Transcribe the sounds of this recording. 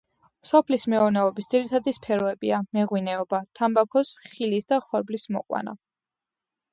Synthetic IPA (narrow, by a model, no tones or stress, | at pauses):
sɔpʰlismɛuɾnɛɔbisd̪ziɾit̪ʰad̪ispʰɛɾɔɛbiamɛʁwinɛɔbat̪ʰambakʰɔsχilisd̪aχɔɾblismɔ̰qʼwa̰na̰